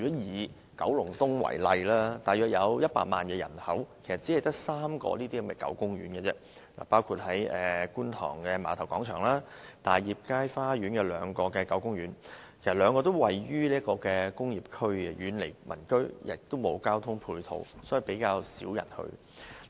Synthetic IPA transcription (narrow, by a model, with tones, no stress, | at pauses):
y˨ɔ˨˦˥jiː˨˩ | kɐ˨˥wlʊ˨˩ŋt̪ʊ˥ŋwɐ̰˨˩jlɐ˧jlaː˥t̪aː˨jœː˨k̚jɐ˨˧wjɐ˥t̚pa̰ː˧t̚ma̰ː˨nkɛː˧jɐ̰˨˩nhɐ˨˥wkʰe˨˩jsɐ˨t̚t͡si˨˥ɐ˨jt̪ɐ˥k̚saː˥mkɔ̰ː˧liː˥t̪iː˥hɐ˨˥mɐ˨jkɐ̰˨˥wkʊ˥ŋɥyː˨˥nkɛ˧t͡sɛ̰˥ | la̰ː˨˩paː˥wkʰuː˧t̚hɐ˨˥jɛː˨kuː˥nt̪ʰɔ̰ː˨˩ŋkɛ˧maː˨˥t̪ʰɐ˨˩wkɔː˨˥ŋt͡ʃʰœː˨˩ŋlaː˥t̪aː˨˩jjiː˨p̚kaː˥jfaː˥ɥyː˨˥nkɛ˧lœː˨˧ŋkɔː˧kɛː˧kɐ˨˥wkʊ˥ŋɥyː˨˥nkʰe˨˩s̚lœː˨˧ŋkɔː˧t̪o˥wwɐ˨jɥyː˥liː˥kɔː˧kɛː˧kʊ˥ŋjiː˨p̚kʰɵ˥ɥjyː˨˥nle˨˩jmʔɐ̰˨˩nkɵ˥ɥjɪ̰˨˩k̚t̪o˥wmo˨˧wkaː˥wt̪ʰʊ˥ŋpʰuː˧jt̪ʰo̰˨˧wsɔ˨˥ji˨˩pe˨˥jkaː˧wsiː˨˥wjɐ̰˨˩nhɵ̰˧